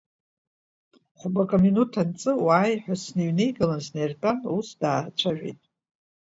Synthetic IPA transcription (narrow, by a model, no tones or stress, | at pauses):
χʷbakʼominutʰant͡sʼɨwaːjħʷᶣasniɥne̞jɡalansnejrtʼanusdaːt͡ʃʷʰaʒᶣḛjtʼ